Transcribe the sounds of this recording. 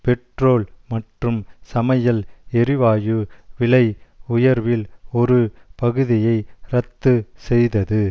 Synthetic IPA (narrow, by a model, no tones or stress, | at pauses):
pɛʈroːlmɐʈrɯmsɐmɐjɐlɛɾɪʋaːjɯʋɪlɐɪʊjɐɾʋɪlɔɾɯpɐɣɯðɪjɐɪɾɐt̪ːɯsɛjðɐðɯ